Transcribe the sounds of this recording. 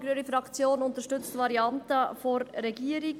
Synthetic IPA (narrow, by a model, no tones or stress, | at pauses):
ɡɾyːɾifɾɑkt͡sjoːnʊntəʃtʏt͡stʋɑɾiɑntəfoɾːɛɡiːəɾɪ